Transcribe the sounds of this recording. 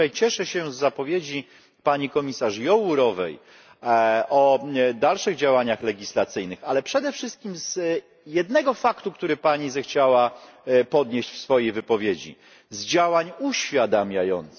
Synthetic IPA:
ajt͡ɕɛʂɛɕɛzːapɔvʲjed͡ʑi | paɲikɔmʲisaʂjɔwuɾɔvɛ̰j | ʔɔd̪alʂɘɣd͡ʑawaɲaxlɛɡʲislat̪sɘjnɘxalɛpʂɛd̪ɛfʂɘst̪̚kʲimz | jɛd̪nɛɡɔfakt̪ukt̪uɾɘpaɲizɛxt͡ɕawapɔd̪ɲeɕt͡ɕfsfɔjejvɘpɔvʲjed͡ʑḭ | zd͡ʑawaɲuɕfʲjad̪amʲjajɔ̰nt̪s

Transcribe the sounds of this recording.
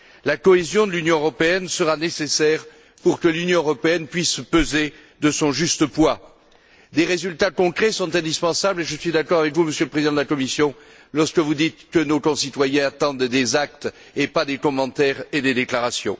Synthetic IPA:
lakɔezjɔ̃d̪əlynjɔ̃øʁɔpeɛnsəʁanesesɛʁ | puʁkəlynjɔ̃øʁɔpeɛnpɥispøze | d̪əsɔ̃ʒyst̪əpwa | d̪eʁezylt̪akɔ̃kχɛsɔ̃t̪ɛ̃d̪ispɑ̃sableʒəsɥid̪akɔʁavɛkvuməsjøləpχezid̪ɑ̃d̪əlakɔmisjɔ̃ | lɔʁskəvud̪it̪kənokɔ̃sit̪wajɛ̃at̪ɑ̃d̪d̪ezak̚t̪ | epad̪ekɔmɑ̃t̪ɛʁed̪ed̪eklaʁasjɔ̰̃

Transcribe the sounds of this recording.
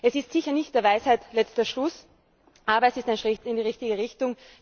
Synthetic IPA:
ʔɛsɪstsɪçɐnɪçtd̥eːɐvaɪshaɪtlɛt͡stɐʃlʊs | ʔaːbɐɛsɪstaɪnʃʁɪtɪndiːʁɪçtɪɡəʁɪçtʊŋ

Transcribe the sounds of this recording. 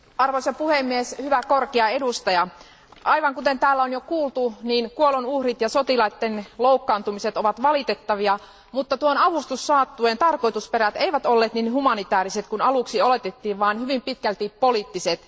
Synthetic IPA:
ɑrʋosɑpuhemːieshyʋækorkeɑedust̪ɑjɑ | ʔɑijʋɑŋkut̪ent̪æːlːæonjokuːlt̪uniːnkuolonuhrit̪jɑsot̪ilɑit̪ːenloukːɑːnt̪umiset̪oʋɑt̪ʋɑlit̪et̪ːɑʋiɑ | mut̪ːɑt̪uonɑʋust̪usːɑːt̪ːueːnt̪ɑrkoit̪uspeɾæt̪eiʋæt̪olːeːt̪ninhumɑnit̪æːriset̪kunɑluksiolet̪et̪ːiːʋʋɑːnhyʋimpit̪kælt̪ippolit̪ːiset̪

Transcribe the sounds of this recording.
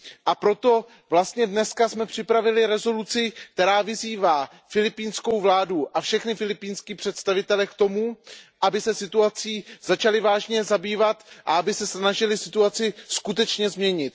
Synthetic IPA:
ʔapɾo̞t̪o̞ | vlast̪ɲɛdnɛskasmɛpr̝̥ɪpɾavɪlɪɾɛzo̞lut͡sɪk̚t̪ɛɾaːvɪziːvaː | fɪlɪpiːnsko̞wvlaːduʔafʃɛxnɪfɪlɪpiːnskiːpr̥ɛt̪st̪avɪt̪ɛlɛkt̪o̞muʔabɪsɛsɪt̪uat͡siːz̥at͡ʃalɪvaːʒɲɛzabiːvat̪ʔa̰abɪsɛsnaʒɪlɪsɪt̪uat͡sɪskut̪ɛt͡ʃɲɛzmɲɛɲɪt̪

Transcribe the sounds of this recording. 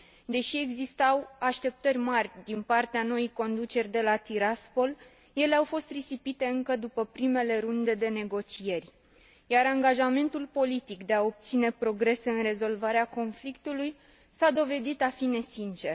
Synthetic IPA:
d̪e̞ʃie̞ɡzist̪awaʃt̪e̞p̚t̪ərʲmarʲd̪inpart̪eano̞ijko̞nd̪ut͡ʃe̞rʲd̪e̞lat̪iɾaspo̞l | je̞leawfo̞st̪risipit̪e̞ɨŋkəd̪upəpɾime̞le̞ɾund̪e̞d̪e̞ne̞ɡo̞t͡ʃie̞rʲ | jaɾaŋɡaʒame̞nt̪ulpo̞lit̪ikd̪e̞ao̞p̚t̪sine̞pɾo̞ɡɾe̞se̞ɨnre̞zo̞lvaɾeako̞nflikt̪uluj | sad̪o̞ve̞d̪it̪afine̞sint͡ʃe̞r

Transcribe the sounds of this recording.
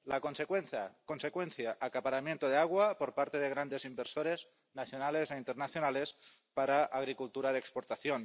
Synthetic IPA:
lakonsekwenθa̰konsekwenθjaʔakapaɾamjent̪oð̞eaɣ̞wapoɾpaɾt̪eðeɣ̞ɾand̪ezimbeɾsoɾez | naθjonalezeint̪eɾnaθjonales | paɾaʔːɣ̞ɾikult̪uɾaðekspoɾt̪aθjon

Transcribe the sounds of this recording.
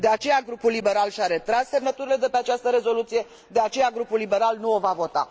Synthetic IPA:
d̪e̞at͡ʃe̞jaɡɾupulːibe̞ɾalʃʲaɾe̞t̪ɾasse̞mnət̪uɾile̞d̪e̞pe̞at͡ʃast̪əɾe̞zo̞lut̪sije̞ | d̪e̞at͡ʃe̞jaɡɾupulːibe̞ɾalnuo̞vavo̞t̪a̰

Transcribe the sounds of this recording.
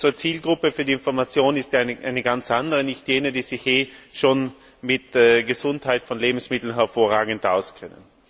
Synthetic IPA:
zʁət͡siːlɡʁʊpəfyːɐdiɪnfɔɐmat͡sjoːnɪstjaʔaɪnəɡant͡sʔandəʁənɪçtjeːnədiːz̥ɪçjeːʃoːn | mɪtɛɡəzʊnthaɪtfɔnleːbm̩smɪtl̩nɦɛɐfoːɐʁaːɡŋ̩tʔaʊskʰɛnə̰n

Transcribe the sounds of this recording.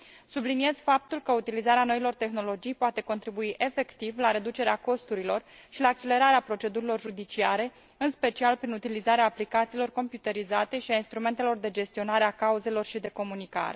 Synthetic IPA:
sublinie̞z̥fap̚t̪ulkəut̪ilizaɾeano̞ilo̞rt̪e̞xno̞lo̞d͡ʒijpoat̪e̞ko̞nt̪ɾibuiʔe̞fe̞kt̪ivlaɾe̞d̪ut͡ʃe̞ɾeako̞st̪uɾilo̞rʃilaːk̚t͡ʃe̞le̞ɾaɾeapɾo̞t͡ʃe̞d̪uɾilo̞rʒud̪it͡ʃiaɾe̞ | ɨnspe̞t͡ʃialpɾinut̪ilizaɾeaːplikat̪siːlo̞rko̞mpjut̪əɾizat̪e̞ʃiainst̪ɾume̞nt̪e̞lo̞rd̪e̞d͡ʒe̞st̪io̞naɾe̞akauze̞lo̞rʃid̪e̞ko̞munika̰ɾe̞̰

